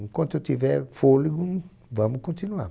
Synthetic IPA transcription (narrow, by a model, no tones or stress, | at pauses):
ŋ̩kõntotivɛfoliɡũn | vãmukõntinua̰